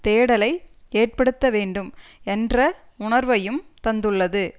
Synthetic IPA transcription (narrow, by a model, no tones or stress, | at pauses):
t̪eːɽɐlɐɪeːr̚pɐɽɯt̪ːɐʋeːɳɖɯmɛndrɐ | ʊɳɐɾʋɐjɯmt̪ɐnd̪ɯɭːɐðɯ